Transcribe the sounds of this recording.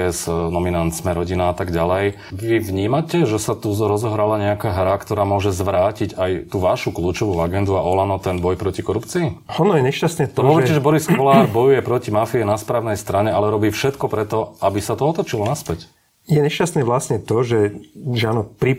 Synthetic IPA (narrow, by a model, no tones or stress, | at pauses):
ɛsnɔminant̪smɛɾɔɟinaat̪aɡɟalɛj | ʋiʋɲiːmacɛʒɛsat̪uɾɔzɔɦɾalaɲɛakaːɦɾakt̪ɔɾaːmʊɔʒɛzʋɾaːcicajt̪uʋaʃukluːt͡ʃɔʋuaɡɛnd̪uaʔɔlanɔt̪ɛnbɔjpɾɔcikɔɾupt͡siiɔnɔjɛɲɛʃcast̪nɛt̪ɔɔʋɛɾcɛʒɛbɔɾiskɔlaːɾbɔjujɛpɾɔcimafiɛnaspɾaːʊnɛjst̪ɾaɲɛalɛɾɔbiːfʃɛt̪kɔpɾɛt̪ɔabisat̪ɔɔt̪ɔt͡ʃilɔnaspɛc | jɛɲɛʃcast̪nɛʋlasɲɛt̪ɔʒɛʒɛanɔpɾi